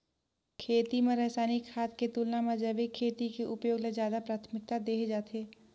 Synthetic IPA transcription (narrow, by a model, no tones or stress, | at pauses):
kʰeːt̪imẽɾɛɦsaːnikʰaːt̪ket̪uːlnamãd͡ʒəbikʰːeːt̪ikeʔʊpjoːɡlezjaːd̪apɾaːt̪ʰmɪk̚t̪ad̪eːkʰd͡ʒaːt̪ʰeː